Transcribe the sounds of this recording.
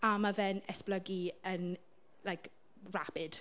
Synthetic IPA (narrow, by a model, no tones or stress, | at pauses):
amavɛnɛspləɡiən | lajk | rapɪd̥